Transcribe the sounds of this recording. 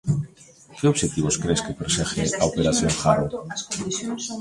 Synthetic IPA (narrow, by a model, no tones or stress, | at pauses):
keoβʃet̪iβoskɾeskepeɾsexḛaopeɾaθjoŋxaɾo